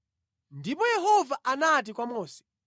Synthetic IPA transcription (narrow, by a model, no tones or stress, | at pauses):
ndipɔjɛɦɔvaʔanat̬ikwamɔːsɛ̥